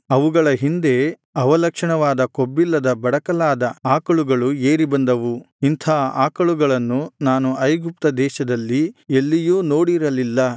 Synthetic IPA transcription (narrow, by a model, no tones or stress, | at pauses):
ɐʋuɡɐɭɐɦind̪e̞ | ɐʋɐlɐkʂɐɳɐʋaːd̪ɐko̞bːilːɐd̪ɐbɐɽɐkɐlaːd̪ɐaːkɐɭuɡɐɭueːɾibɐnd̪ɐʋu | int̪ʰaːaːkɐɭuɡɐɭɐnːunaːnuɐjɡup̚t̪ɐd̪ɛːʃɐd̪ɐlːielːijuːno̞ːɽiɾɐlilːɐ